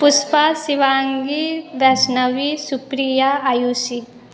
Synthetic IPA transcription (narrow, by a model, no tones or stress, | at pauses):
pʊspasiʋaːŋɡiʋɛsnɐʋisupɾijaajuːsi